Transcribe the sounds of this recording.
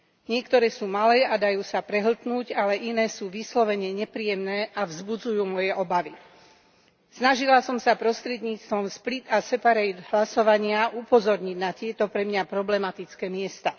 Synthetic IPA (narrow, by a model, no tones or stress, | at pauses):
ɲɪɛkt̪ɔɾɛːsuːmalɛːad̪ajuːsapɾɛɦl̩t̪nuːɟalɛʔinɛːsuːʋislɔʋɛɲɛɲɛpɾiːjɛmnɛːʔavzbud͡zujuːmɔjɛʔɔbaʋi | snaʒilasɔmsapɾɔst̪ɾɛd̪ɲiːt͡st̪ʋɔmsplit̪asɛpaɾɛjd̪ɦlasɔʋaɲɪaʔupɔzɔɾɲiɟnat̪ɪɛt̪ɔpɾɛmɲapɾɔblɛmat̪it͡skɛːmɪɛst̪a